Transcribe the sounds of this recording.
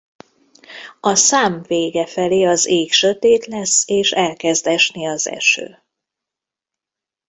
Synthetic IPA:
ɒsaːɱveːɡɛfɛleːɒzeːkʃøt̪eːt̪lɛsːeːʃɛlkɛzd̪ɛʃniɒzɛ̰ʃø̰ː

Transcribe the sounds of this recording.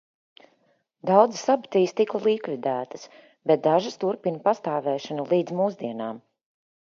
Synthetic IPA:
d̪awd̪zsabi̥t̪iːst̪ikalˠiːkvid̪æːt̪ə̥s | bɛt̪̚d̪aʒɨst̪uɾpinpast̪aːvɛːʃanulˠiːd̪zmuːzd̪iɛnaːm

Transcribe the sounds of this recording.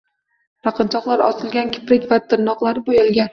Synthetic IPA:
ɾaqʰɨnt͡ʃ̪ʰɒqlˠaɾɒ̰sɪlˠɡʲankʲʰɪ̥pɾɪkʲvat̪ʰɪnːɒqlˠaɾɪbojɒlˠɡʲan

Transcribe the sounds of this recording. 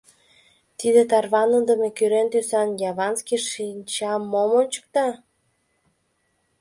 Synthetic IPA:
t̪id̪et̪ɑrβɑnənd̪əmekyɾent̪ysɑnjɑβɑnskiʃinʲt͡ɕɑmːomonʲt͡ɕə̥̆k̚t̪ɑ

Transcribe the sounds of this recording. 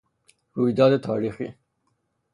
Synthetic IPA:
huid̪ɑd̪et̪ʰɑːɾixḭ

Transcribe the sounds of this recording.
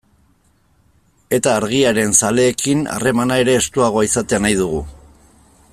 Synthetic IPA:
e̞t̪aːɾɣ̞iaɾe̞nsale̞ːkina̰re̞manae̞ɾe̞ːst̪uaɣ̞o̞aisat̪eanajðuɣu

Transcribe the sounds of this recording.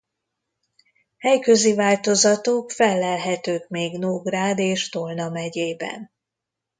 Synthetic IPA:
hɛjkø̞zivaːlt̪o̞zɒt̪okfɛlːɛlɦɛt̪øːkmeːɡnoːɡraːd̪eːʃt̪olnɒmɛɟeːbɛ̰n

